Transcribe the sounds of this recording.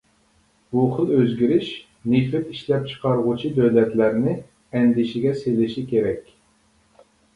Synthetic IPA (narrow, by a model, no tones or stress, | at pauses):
b̥uχəlˠøzɡʲiɾɪʃ | nifɪt̪iʃlɛp̚t͡ʃʰə̥qʰɑɾʁʊt͡ʃʰid̪øwlɛt̪læɾnɪ | ɛnd̪ɪʃɪɡʲɛselɪʃikʲʰeɾɛkʲ